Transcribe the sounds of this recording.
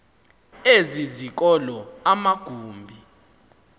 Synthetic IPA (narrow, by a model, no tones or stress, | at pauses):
ezizik̬ɔlɔamaɡ̥ʱuːmbʱi